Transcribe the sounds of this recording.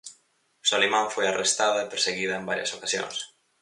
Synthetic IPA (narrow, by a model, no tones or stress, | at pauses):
solijmãɱfojarʔest̪aðɐepeɾseɣiðɐembaɾjɐ̰sokasjo̰ŋs